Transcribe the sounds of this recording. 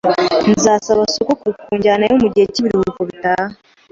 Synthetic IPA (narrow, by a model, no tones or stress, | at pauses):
nzaːsaβasokokukuːɲɟaːnajomuɟiheciβiɾuhuikoβitaːha